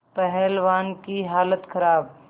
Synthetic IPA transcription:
pɛɦɛlʋaːnkiɦaːlət̪kʰəɾaːb̚

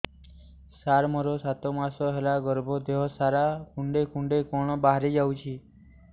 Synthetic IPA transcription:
saɾmɔɾosat̪omasɔɦelaɡəɾbʱɔd̪eɦɔsaɾakuɳɖekuɳɖekɔɳ̃ɔbaɦɾed͡ʒawt͡ʃʰiː

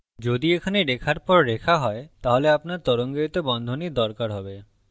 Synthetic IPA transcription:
d͡ʑod̪iekʰaneɾekʰaɾpɔɾːekʰaɦɔet̪aɦoleapnaɾt̪ɔɾoŋɡeit̪obɔnd̪ʱoniɾd̪ɔɾkaɾɦɔbe

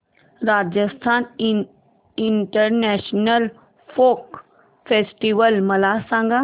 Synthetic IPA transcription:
ɾaːd͡ʒəst̪ʰaːn | ɪɳʈəɾnɛːʃnəl | pʰoːk | fʰeːsʈiʋəlmɐlaːsãːŋɡa

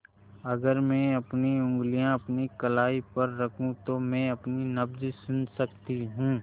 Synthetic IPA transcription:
ɐɡəɾmɛ̃ɐpniʊ̃ŋɡlijãɐpnikɐlaːipɐɾːɐkʰũt̪omɛ̃ːɐpninɐbd͡ʒsʊnsɐkt̪iɦũː

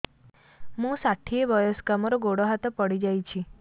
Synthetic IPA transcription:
mũsaʈʰieʋəjosɡamoɾoɡoɽoɦat̪ɔpəɽid͡ʒajt͡ʃʰi

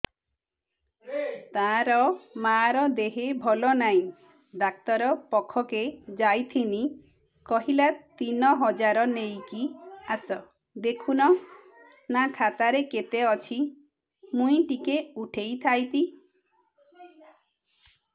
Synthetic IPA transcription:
t̪aɾɔmaɾɔd̪eɦebʱɔlɔnaj̃ | ɖak̚t̪ɔɾɔpɔkʰːɔked͡ʒajt̪ʰini | kɔɦilat̪inɔɦɔd͡ʒaɾɔnejkiasɔ | d̪ekʰunɔ | nakʰat̪aɾeket̪eɔt͡ʃʰi | mũĩʈikeuʈʰejt̪ʰajt̪i

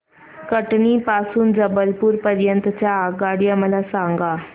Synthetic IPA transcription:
kəʈɳiːpasuːnd͡zəbəlpuːɾpəɾjənt̪t͡ɕjaːɡaɽijaməlasãŋɡa

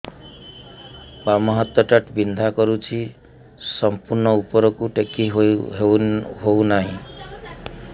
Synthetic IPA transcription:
bamʌɦʌt̪wʌʈʌʈbind̪ʱakʌɾut͡sʰi | sʌmpurnʌupʌɾʌkuʈekːi | ɦownaɦĩ

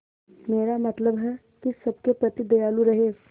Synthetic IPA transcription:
meɾamət̪ləbɦɛ | kisəb̚kepɾət̪id̪əjaluɾəɦe

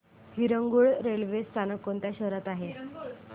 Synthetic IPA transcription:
hiɾəŋɡuɭɾelʋest͡sanəkːont̪jaɕəɦɾat̪aɦe

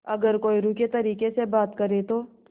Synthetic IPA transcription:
ɐɡəɾkoːiɾũket̪ɐɾiːkesebaːt̪kɐɾet̪oː

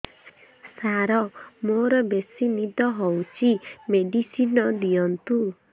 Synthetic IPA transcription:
saɾɔmoɾɔbesinid̪ɔɦɔwt͡sʰimeɖisinɔd̪ijɔnt̪u

